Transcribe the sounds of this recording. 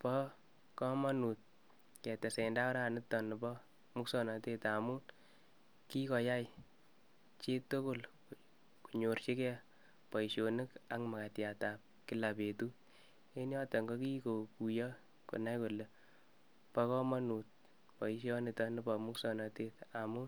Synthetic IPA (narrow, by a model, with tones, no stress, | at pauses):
pɔ˦ | kɔ˦mɔ˦nu˨t̚ | kɛ˨tɛ˨se˨nda˦ʊ˦ɾa˨nɪ˦tɔ˨nɪ˨bɔ˦ | mu˦ksɔ˨nɔ˨te˦ta˨mu˦n | ki˦kɔ˨ja˦j | t͡ʃe˦to˦ko˦l | ku̥˨ɲo˨ɾt͡ʃi˦kɛ˦ | pɔ˨i˨ʃjo˨nɪ˦ka˦ŋma˨ka˨tja˨ta˨p̚ki˦la˨pe˨tu˦ | e˦njɔ˦tɔ˨ŋɡo˦ki˦ko˨ku˨jɔ˦ | ko̰˨na˦jko˨lːe˨ | pɔ˦kɔ˦mɔ˦nu˨t̚ | pɔ˨i˦ʃjɔ˦nɪ˨tɔ˦nɪ˦bɔ˨mu˦ksɔ˨nɔ˨te˦ta˨mu˦n